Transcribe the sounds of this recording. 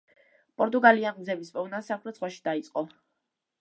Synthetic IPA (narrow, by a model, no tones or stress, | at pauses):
pʼɔɾt̪ʼuɡaliamd̪zɛbisbɔvnasakʰɾɛt̪sχwaʃi̥d̪ait̪sʼqʼɔ